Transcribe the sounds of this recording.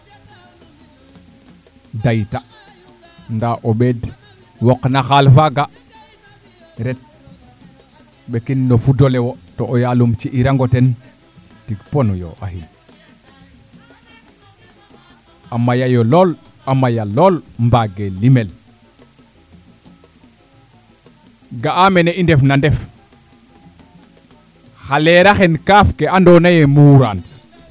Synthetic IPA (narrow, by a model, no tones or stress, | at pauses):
dajta | ndaʔoɓed | woknaxalfaɡa | ɾet̚ | ɓekinːofudolewotoʔːjalumt͡ʃiʔiɾaŋɡoten | tiɡponujo̰ʔa̰ɦin | amːajajolol | amajaloːlmbaɡelimel | ɡaameneindefnandef | xaleɾaxenkaːfkeandonajemuɾant